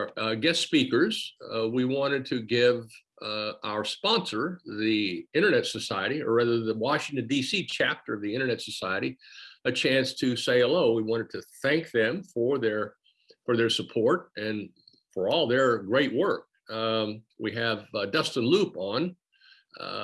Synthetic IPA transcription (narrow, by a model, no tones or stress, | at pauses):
ɡɛstpikə˞zwiwɑ̃ɾ̃ɨd̚tʰɨɡɪv | a̰ʊə˞spɑ̃nsə˞ðiɪ̃ɾ̃ə˞nɛtsɨsaɪɨɾiə̰˞ɹæðə˞ðɨwɑʃɪ̃ŋtɨ̃ndisit͡ʃʰæp̚tə˞ʌvðiɪ̃ɾ̃ə˞nɛtsɨsaɪɨɾiɨt͡ʃʰæ̃nstʰɨseɪəloʊwiwɑ̃ɾ̃ɨd̚tʰɨθæ̃ŋk̚ðɨ̃ɱfə˞ðə˞ | fə˞ðə˞səpʰɔɹɾɨ̃n | fə˞ɔlˠðə˞ɡɹeɪʔ̚wɜ˞k̚ | wiɨvdʌstə̃n̩lupn̩